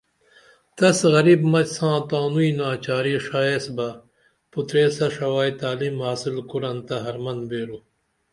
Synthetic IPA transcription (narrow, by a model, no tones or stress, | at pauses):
t̪ɐsɣɐɾiːbmɐt͡ɕsãːt̪aːnuiːnaːt͡ɕaːɾiʂaːesbɐ | put̪ɾeːsɐʂɐwaːjt̪aːlimɦaːsilkuɾɐnt̪ɐɦɐɾmɐnbeːɾu